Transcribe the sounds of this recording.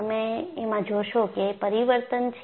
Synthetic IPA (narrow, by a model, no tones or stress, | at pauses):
əmeemãd͡ʒoʃokeːpəɾiʋəɾt̪ənt͡ʃʰ